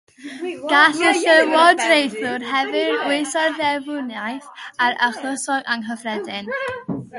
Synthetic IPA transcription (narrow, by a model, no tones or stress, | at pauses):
ɡ̥asəɬəwɔdrejθʊrɦɛvɨrwejsɔrðɛvʊnjajθaɾaχləsɔɡaŋɦəvrɛdɪn